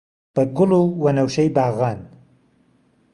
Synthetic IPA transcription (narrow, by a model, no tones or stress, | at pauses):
pəɡʊlowanawʃəjbɑɣɑn